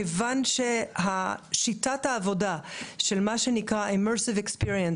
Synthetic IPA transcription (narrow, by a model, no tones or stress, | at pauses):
evanʃeɦaʃitathaːvodaʃelmaʃenikʁaimɛsivekspiʁien